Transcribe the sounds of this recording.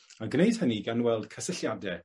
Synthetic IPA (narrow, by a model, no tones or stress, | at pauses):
aɡnejd̥həniɡanwɛlˠd̥kʰəsəɬjadɛ